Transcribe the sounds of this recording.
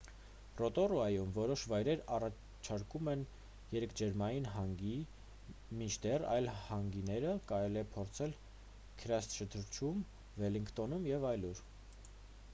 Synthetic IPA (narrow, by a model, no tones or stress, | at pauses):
rɔt̪ɔruɑjumvɔɾɔʃvɑjɾɛɾɑrɑ | t͡ʃʰɑɾkumɛn | jɛɾɛkʰd͡ʒɛɾmɑjinɦɑŋɡi | mit͡ʃʰd̪ɛrɑ̰jlhɑŋɡinɛɾəkɑɾɛliɛpʰɔɾt͡sʰɛl | kʰəɾjɑst̪ʃət̪ʰəɾt͡ʃʰum | vɛliŋkʰt̪ɔnumjɛvɑjluɾ